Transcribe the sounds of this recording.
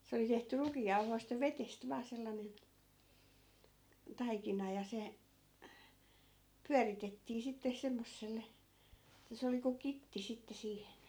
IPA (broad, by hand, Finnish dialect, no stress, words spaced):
se oli tehty rukiːjːɑu̞hoist jɑ ʋetest ʋɑː selːɑnen tɑikinɑ jɑ se pyæritetːiː sitːe semːosːelːe ĕtːæ se oli kuk kitːi sitːe siːhen̞